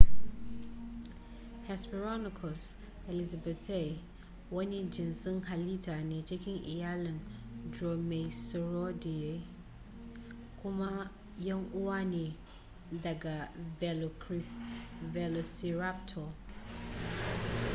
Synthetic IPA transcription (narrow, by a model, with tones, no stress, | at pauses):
hɛ˨spi˨ɾɔ˦nɪ˨kʰɔ˨s | ɛ˨li˨za˨bɛ˨tʰɛ˦˨ | wɔ˦nɪ̃˦d͡ʒɪ̃˨nsɪ̃˦ŋha˨li˦tʰa˨nɪ̃˨t͡ʃʰɛ˦kʰɪ̃˦nɪ̰˨ja˦lɪ̃˨ndɾɔ˨mɛ̃˨i˨sɪ˨ɾɔ˦dɪ˨jɛ˨˦ | kʰʊ̃˦mã˦ | jɛ˦ŋʊ˦wa˦nɪ̃˨ | da˨ɡa˨˦ | vɛ˨lo˨si˨ɾa˦p̚tʰɔ˨